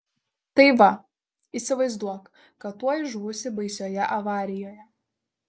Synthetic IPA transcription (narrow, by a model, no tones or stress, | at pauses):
t̪ɐɪʋɐ | iːsʲɪʋɐɪzd̪uɔk | kɐt̪ːuɔjʒʋʊsʲɪbɐɪsʲoːjɛʔɐʋɑːɾʲɪjoːjɛ